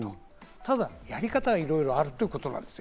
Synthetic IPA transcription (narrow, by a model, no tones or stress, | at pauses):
no | t̪ad̪ajaɾʲikat̪aɡaiɾo̞iɾo̞aɾɯ̟t̪ːoiɯ̟ko̞t̪o̞nã̰nd̪e̞sɨ